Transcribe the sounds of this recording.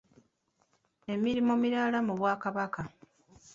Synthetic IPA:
e̞miɾimomiɾalamuβwaːkaβaka

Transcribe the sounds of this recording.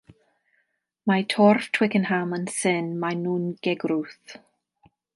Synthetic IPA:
matʰɔrftʰwɪkənhamənsɪnmanuːnɡ̥ɛɡruθ

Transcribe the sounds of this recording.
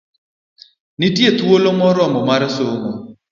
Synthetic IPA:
nitjet̪wolomɔɾɔmɔmaɾsoŋɔ

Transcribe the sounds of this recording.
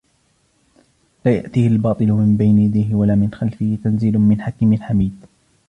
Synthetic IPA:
laːja̰ʔt̪iːhalbɑːt̪ˤɨlʊmɪmbajnɪjad̪ajɦɪwalaːmɪnxalfɪhɪt̪anziːlʊmɪnħakɪmɪlħamiːd̪

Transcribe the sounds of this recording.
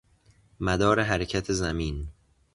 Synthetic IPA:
mæd̪ɒːɾe̞ɦæɾecʰæt̪ʰezæmiːn

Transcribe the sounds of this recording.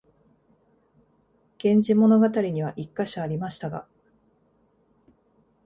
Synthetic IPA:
ɡ̥ẽ̞ɲd͡ʑimo̞no̞ɡat̪aɾʲiɲ̟iβ̞aʔikːaɕoaɾʲimaɕi̥t̪aɡa̰

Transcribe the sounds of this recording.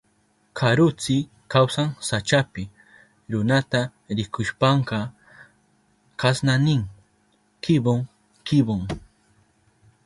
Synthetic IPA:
kʰaɾʊt͡sɪ | kawsaŋsat͡ʃapɪ | ɾʊnat̪a | ɾɪkʊʃpɑɴɢɑ | kasnanɪŋ | kɪboŋ | kɪboŋ

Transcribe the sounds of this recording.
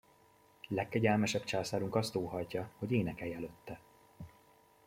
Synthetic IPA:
lɛkːɛɟɛlmɛʃɛpt͡ʃaːsaːɾuŋkɒst̪oːɦɒjcɒho̞ɟeːnɛkɛjɛløt̪ːɛ

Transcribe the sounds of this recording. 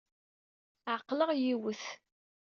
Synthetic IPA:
ʕəqːləʁjiwəθ

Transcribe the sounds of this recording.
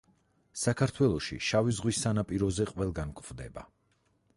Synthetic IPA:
sakʰaɾt̪ʰwɛlˠɔʃḭʃavizʁwisːanapʼiɾɔzɛqʼvɛlˠɡankʼvd̪ɛba̰

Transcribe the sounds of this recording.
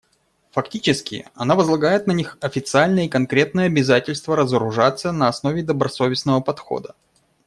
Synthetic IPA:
fɐktʲit͡ɕɪskʲɪ̰ɐnavəzlˠɐɡajɪt̪̚nɐnʲixɐfʲɪt̪sɨalʲnəjəikɐnkɾʲe̞t̪̚nɨjəɐbʲɪzatʲɪlʲst̪vəɾəzəɾʊʐat̪sːənəɐsnovʲɪd̪əbɾɐso̞vʲɪsnəvəpɐt̪xo̰d̪ə

